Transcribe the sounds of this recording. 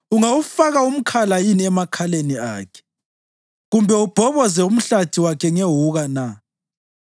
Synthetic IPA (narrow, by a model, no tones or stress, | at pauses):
uŋawufaɣaum̩kʰalajiniɛmakʰalenia̰ːkʰɛ̥ | ɣumbʱɛub̥ʱɔβɔzɛum̩ɬatʰiwakʰɛŋeɦuɣana